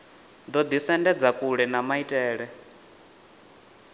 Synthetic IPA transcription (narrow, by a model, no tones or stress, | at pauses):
d̪ɔd̪isɛndɛd͡zakʼuɺɛnamaitʼɛːɺɛ